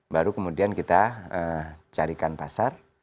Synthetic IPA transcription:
baɾukəmudiankit̪aət͡ʃaɾikanpasar

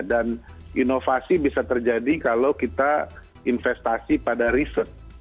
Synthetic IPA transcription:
danʔinofasibisat̪ərd͡ʒadikalowkit̪a | infɛst̪asipadaɾisərt̪̚

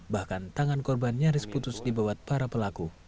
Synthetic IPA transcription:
bahkant̪aŋankɔrbanɲaɾisput̪ʊsdibawat̪̚paɾapəlaku

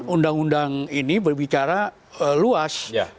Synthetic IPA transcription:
undaŋundaŋinibərbit͡ʃaɾa | əluas

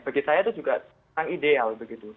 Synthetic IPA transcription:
b̥aɡisajat̪ud͡ʒuɡa | aŋidealbəɡit̪u

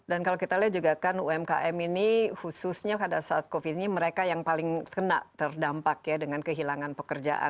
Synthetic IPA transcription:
dankalokit̪aliad͡ʒuɡakanṵɛmka̰ʔɛminihususɲakadasaat̪̚kofit̪iniməɾekajaŋpalɪŋkəna̰ʔt̪ərdampakjadəŋankəɦilaŋanpəkərd͡ʒa̰ʔa̰

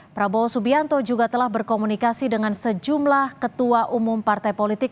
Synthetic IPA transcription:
pɾabosubiant̪od͡ʒuɡat̪əlahbərkomunikasidəŋansəd͡ʒumlahkət̪uaʔumumpart̪ajpolit̪ɪk̚

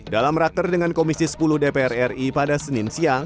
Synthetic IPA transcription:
dalamrak̚t̪ərdəŋankomisisə̥puluhdepeɛrɛripadasəninsia

